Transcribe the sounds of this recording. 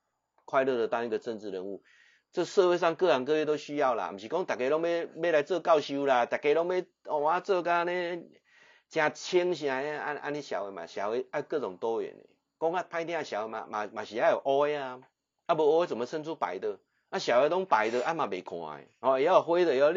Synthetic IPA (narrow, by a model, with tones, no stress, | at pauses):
kʰwa˥˧ɪlə˥˧˨d̪ə˨t̪ã˧˦i˦˧ɡə˨t͡sə˥˧nt͡sɻ̩˥˧ɾə˧˦nu˥˧ | t͡sə˥˧sə˥˧we˥˧s̬a˥˧ŋkə˥˧ɾa˨˧ŋk̬ə˧be˧t̪ɔ˦ʊɕy˦ja˥˧ʊla̰˨m̩˨˩ɕi˨kɔ˦ŋt̪a˨˩ke˧lɔ˦˥ŋbe˦be˦ɾa˧˦jt͡sə˥˧ka˥˨ʊɕju˦la˧t̪a˨˩ke˧˦lɔ˦ŋbe˦ | ɔ˨wa˦t͡sə˥˧ka˦nẽ˦ | t͡ɕjã˧t͡ɕʰi˦ŋɕ̬jã˧e˦a˦ʔa̰˧˦nĩ˦ɕja̰˨˩we˧˩mã̰˨˩ɕja̰˨˩we˧˦a˦kə˥˧t͡sɔ˨˩ŋt̪ɔ˦ɥɛ̰˨nḛ˨˩ | kɔ˦ŋa˦pʰã˧˦ɪt̪̬jã˦˧˨ɕja˨˦we˧ma̰˨mã̰˨mã˨˩ɕi˨a˦jo˨˩ʔɔ˦e˦a˨ | a˦bə˧ɔ˦e˦t͡sə˨˩mə˨˧sə˦˧nt͡sʰu˦˩pa̰˨˦jd̪ə˨ | a˦ɕja˨˩˨we˧˦t̪ɔ˦ŋpa˨˦jd̪ə˧ʔa˦mã˨be˨˩kʰw̃ã̰˨ḛ˨˩hɔ˨˧e˨˦ja˥˧˨ɦwe˦d̪ə˧˨e˨˦ja˧